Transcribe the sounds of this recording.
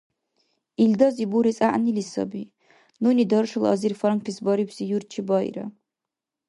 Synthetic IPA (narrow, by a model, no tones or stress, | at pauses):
ild̪ɔzibuɾisʼaʔnilisɔ̰bi | nunid̪ɔɾʃɔlɔ̰zirfɔɾaŋkpʰisbɔɾibzijurt͡ʃʰibɔj̰ɾɐ̰